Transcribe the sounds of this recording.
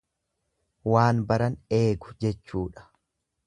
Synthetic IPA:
waːnbɐɾɐne̞ːɡʊ̥d͡ʒɛt͡ʃːuːᶑɐ̥

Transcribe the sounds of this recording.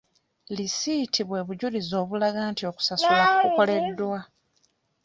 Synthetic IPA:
lisitʰiβwe̞ːβuɟulizo̞ːβulaɡaːntio̞ːku̥sasulakuko̞le̞dːwa

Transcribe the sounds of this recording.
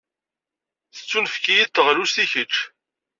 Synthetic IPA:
θə̥t͡sːunfkijit̪ːəʁlust̪içət͡ʃː

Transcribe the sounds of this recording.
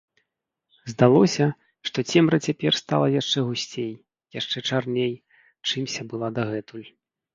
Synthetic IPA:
zd̪alˠɔsʲɐ | ʂt̪ɔt͡sʲɛmɾɐt͡sʲapʲɛrst̪a̰lˠɐjaʂt͡ʂɛɣusʲt͡sʲej | jaʂt͡ʂɛt͡ʂarnʲej | t͡ʂɨmsʲɐbɨlˠad̪aɣɛt̪ulʲ

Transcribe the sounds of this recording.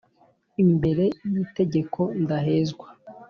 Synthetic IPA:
imbe̞ɾe̞jite̞ɟe̞kʰo̞ndaɦe̞ːzɡwa

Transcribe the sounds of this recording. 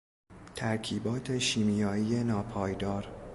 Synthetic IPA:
t̪ʰæɾkʰiːbɒːt̪ʰe̞ʃiːmijɒːiːje̞nɒːpʰɒːjd̪ɒːɾ

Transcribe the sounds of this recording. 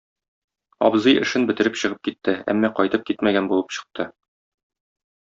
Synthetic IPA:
ɒ̰bzɤjɘ̆ʃɘnbɘ̆t̪ɘ̆ɾɘpɕɤ̆ʁɤp̚kit̪ːɘæ̰mːæqɒjt̪ɤp̚kit̪mæɡænbulˠɤpɕɤ̥̆q̚t̪ʰɤ

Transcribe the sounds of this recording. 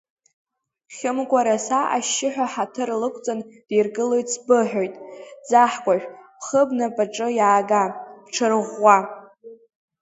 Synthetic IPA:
χʲɪmkʷʼaɾasaʔaʃːɪħᶣaħatʰɨrlɨkʷʰʼt͡sʼand̥erɡɨlo̞jtʼsbɨħᶣojtʼd͡zaħkʷʼaʒᶣpʰχəbnɨpʼaʈ͡ʂʼɨjaːɡapʈ͡ʂʰɨrʁːa

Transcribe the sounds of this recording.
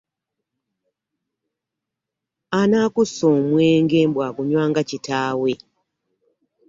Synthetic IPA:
anaːkusoːmweːŋɡeːmbwaːkuɲwaːŋɡacitaːwe̞

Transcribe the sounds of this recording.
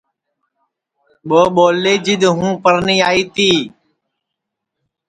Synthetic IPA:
ɓoːɓoːleːd͡ʒɪd̪ɦũːpəɾniːaːiːt̪iː

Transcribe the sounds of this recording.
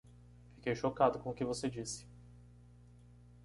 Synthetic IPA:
fikejʃokad̪ʊkõʊkɪvosed͡ʒisɪ̥

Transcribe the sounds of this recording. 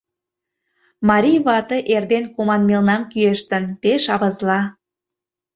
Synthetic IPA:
mɑɾʲijβɑt̪ɤ̆ʔerd̪enkomɑnmelnɑmkyeʃt̪ənpeʃɑβɤzlɑ

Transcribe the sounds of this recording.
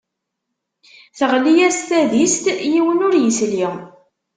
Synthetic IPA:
θəʁlijæst̪æðist̪jiwənʊɾjəsliʁ

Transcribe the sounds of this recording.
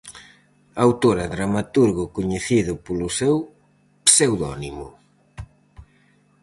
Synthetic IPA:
awt̪oɾɐðɾamat̪uɾɣʊkoɲeθiðʊpolʊsew | psewðɔ̰nimʊ̰

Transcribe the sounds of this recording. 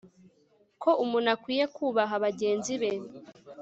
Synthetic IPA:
ko̞ʔumunakwiːje̞kʰuːβaɦaβaɟe̞ːnziβeɾ

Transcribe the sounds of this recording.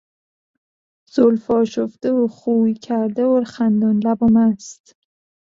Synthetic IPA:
z̥olfɒːʃofd̪eoχuːicʰæɾd̪eoɾχænd̪ɔnlæbomæst̪

